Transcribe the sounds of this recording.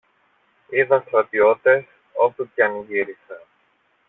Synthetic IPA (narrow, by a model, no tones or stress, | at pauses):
iðɐst̪ɾɐt̪io̞t̪e̞s | o̞put̪ɐniʝiɾise